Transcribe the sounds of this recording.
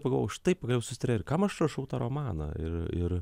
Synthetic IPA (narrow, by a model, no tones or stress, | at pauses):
pɐɡɐlˠʋoʃt̪ɐɪppɐɡɐlʲɛʊsʊ̥sʲɪt̪ɾʲeːɾkɐmɐʃɾɐʃɐʊt̪ɑːɾoːmɑːnɐ̰ɪɾɪɾ